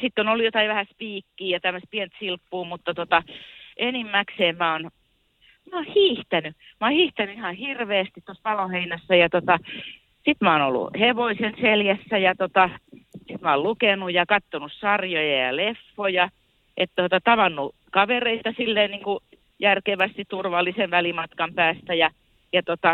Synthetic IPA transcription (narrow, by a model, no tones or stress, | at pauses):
sit̪ːonolːujot̪ɑiʋæhæspiːkːiːjɑt̪æmːøst̪̚pient̪silpːuːmut̪ːɑt̪ot̪ɑʔenimːækseːmmæon | mæohiːht̪æny | mɑːˑhiːht̪ænyihɑhirʋeːst̪it̪t̪ost̪ɑloheinæsːæjɑt̪ot̪ɑ | sit̪mæono̰lːṵheʋoisenseljæsːæjɑt̪ot̪ɑsit̪mæolukenujɑkɑt̪ːonussɑrjojɑjɑ̰lefːojɑ | ʔet̪t̪ot̪ɑt̪ɑʋɑnːu | kɑʋereit̪ɑsilːeːnniːŋku | jærkeʋæst̪it̪t̪urʋɑlːisenʋælimɑt̪kɑmpæːst̪æjɑ | jɑt̪ot̪ɑ